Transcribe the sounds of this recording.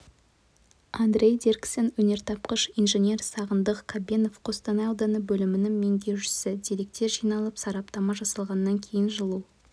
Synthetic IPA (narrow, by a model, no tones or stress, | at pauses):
and̪rʲe̞jd̪erksenwɵne̞ɾt̪ʰɑp̚qəʃijnʒenʲe̞rsɑʁənd̪əqkʰabʲeno̞fqʰo̞st̪ɑnɑjɑwd̪ɑnəbɵlɪmɪnɪŋme̞ŋd̪ʲe̞wʃɪ̥sɪd̪e̞le̞k̚t̪e̞ʒijnɑlˠəpsɑɾɑp̚t̪ɑmɑʒɑsɑlˠʁɑnːɑŋkʲʰe̞jɪnʒəlˠuw